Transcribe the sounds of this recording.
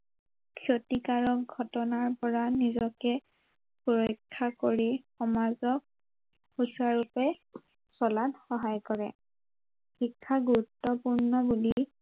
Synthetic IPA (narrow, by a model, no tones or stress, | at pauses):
kʰjotikaɹɔk̚ɡʱɔtɔnaɹpɔɹanizɔkɛ | puɹɔjkʰːakoɹixɔmazɔk̚ː | usaɹupɛ | sɔlanxɔɦajkɔɹɛ̰ | xikʰːaɡuɹutːɔpuɹnɔbuli